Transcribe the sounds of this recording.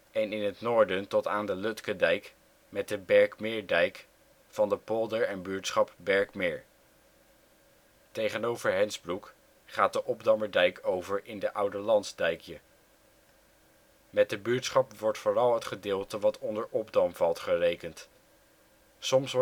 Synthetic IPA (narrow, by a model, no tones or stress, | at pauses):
ɛnɪnɦətnoːɹdəntɔtaːndəlɵtkədɛjk | mɛt̚dəbɛɹkmɪːɹdɛjk | fɑndəpɔlˠdəɹɛnbyːɹtsχɑp̚bɛɹkmɪːɹ | tejχənowvəɹɦɛnzbruk | χaːt̚dəʔɔbdɑməɹdɛjkowvəɹʔɪndəʔʌwdəɹlɑntzdɛjkʰjə | mɛt̚dəbyːɹtsχɑpʋɔɹtfʊːrɑlˠɦətχədɪːlˠtəʋɑtʰɔndəɹʔɔbdɑmvɑlˠtχərejkənt | sɔms